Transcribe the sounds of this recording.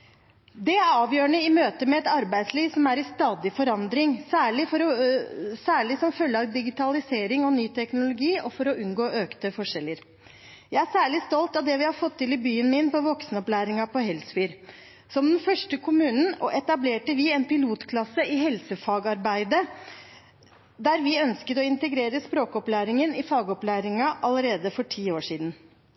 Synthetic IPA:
d̪ɛæɑːʋjøːɳəɪmøːt̪əmɛɛt̪ɑɾbæɪd̪sliːʋsɔmæɾɪst̪ɑːd̪ɪfɔɾɑnd̪ɾɪŋsæːɭɪfɔɾɔsæːɭɪsɔmfœlːəɑʋd̪ɪɡɪt̪ɑlɪseːɾɪŋɔnyːt̪ʰɛknʊlʊɡiːʔɔfɔɾɔʉnɡoːʔøːkt̪əfɔʂɛlːəɾ | jæɪæʂæːɭɪst̪ɔlt̪ɑʋd̪ɛʋɪhɑɾfɔt̪ʰːɪlɪbyːənmɪnpɔʋɔksnəɔplæːɾɪŋɑpɔɦɛlsfyːɾ | sɔmd̪ɛnfœʂʈəkʰʊmʉːnn̩ɔʔɛt̪ɑbleːʈəʋɪɛnpɪluːt̪kʰlɑsəʔɪhɛlsəfɑːɡɑɾbæɪd̪ə | d̪æɾʋɪœnskət̪ɔɪnt̪əɡɾeːɾəspɾoːkɔplæːɾɪŋənɪfɑːɡɔplæːɾɪŋɑʔɑləɾeːd̪əfɔʈʰiːoːʂiːd̪n̩

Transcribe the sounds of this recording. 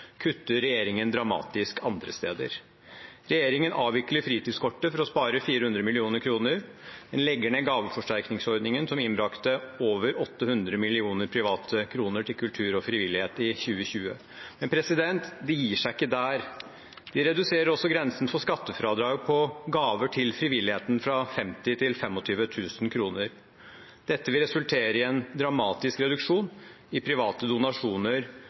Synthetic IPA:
kʰʉt̪ːəɾɛjeːɾɪŋənd̪ɾɑmɑ̰ːt̪ɪskɑnd̪ɾəst̪ḛːd̪ə̰ɾ | ɾɛjeːɾɪŋənʔɑːʋʋɪkləɾfɾiːt̪ɪd̪skʰɔʈːəfɔɾɔspɑːɾəfiːɾəhʉnd̪ɾəmɪlɪuːnəɾkʰɾuːnəɾ | d̪ɛnlɛɡəɳəɡɑːʋəfɔʂʈæɾknɪŋsɔɾd̪nɪŋənsɔmɪnbɾɑkt̪əoːʋəɾɔt̪ːəhʉnd̪ɾəmɪlɪuːnəɾpʰɾɪʋɑːt̪ʰəkʰɾuːnəʈʰɪlkʰʉlt̪ʰʉːɾɔfɾɪʋɪlːɪheːt̪ɪçʉːəɕʉːə̰ | mɛnpʰɾɛsɪd̪ɛnt̪d̪ɛjiːʂæɪɪkːəd̪æːɾ | d̪̥ɪɾɛd̪ʉseːɾəɾɔsːɔɡɾɛnsən̩fɔʂkɑt̪ːəfɾɑːd̪ɾɑːɡpʰɔɡɑːʋəʈʰɪlfɾɪʋɪlːɪheːt̪n̩fɾɑfɛmt̪ɪt̪ʰɪlfɛmːɔt̪ʰyːʋət̪ʰʉːsnkʰɾuːnəɾ | d̪̥ɛt̪ːəʋɪlɾɛsʉlt̪ʰeːɾəɪɛnd̪ɾɑmɑːt̪ɪskɾɛd̪ʉkʂuːn | ɪpʰɾɪʋɑːt̪əd̪ʊnɑʂuːnəɾ

